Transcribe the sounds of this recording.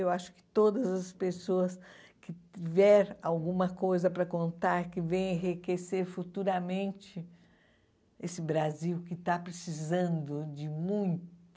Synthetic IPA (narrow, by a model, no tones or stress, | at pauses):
ewaʃʊ̥kɪ̥t̪od̪ɐzɐspesoɐs | kɪt͡ʃivɛɾawɡũmɐkojzɐpɾɐkõnt̪aɾkɪvẽj̃ẽɦikeseɾfut̪uɾɐmẽnt͡ʃɪ | esɪbɾaziwkɪt̪apɾesizɐ̃nd̪ʊd͡ʒɪmũj̃t̪